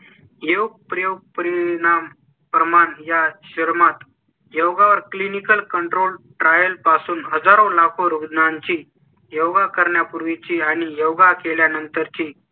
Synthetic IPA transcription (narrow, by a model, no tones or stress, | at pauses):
jewɡ̚pɾəjoɡ̚pəɾinam | pɾəmanjaɕəɾmat̪ | jəwɡaʋəɾklinikəlkəɳʈɾolʈɾajəlpasuːnɦəd͡zaɾõlakʰoɾuɡd̪naɲt͡ɕiː | jəwɡakəɾɳjapuɾʋit͡ɕiːaɽ̃ijəwɡakeljanənt̪əɾt͡ɕiː